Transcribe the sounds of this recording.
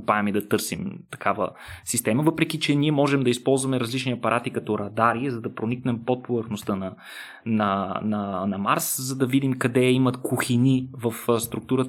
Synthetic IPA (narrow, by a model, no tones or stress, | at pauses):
paɛmid̪ɐt̪ɤɾsḭmt̪ɐ̥kavə̰sist̪ɛməvɤpɾɛkit͡ʃɛniɛmɔʒɛmd̪ɐispɔlˠzvɐmɛɾɐzlit͡ʃniɐpɐɾʔat̪ikɐt̪ɔɾɐd̪aɾiɛzɐd̪ɐpɾoniknɛmpot̪̚povəɾxnost̪ənɐ | nɐnɐnɐmaɾszɐd̪ɐvid̪imkɐd̪ɛimɐt̪kuxinivɐfst̪ɾuk̚t̪uɾə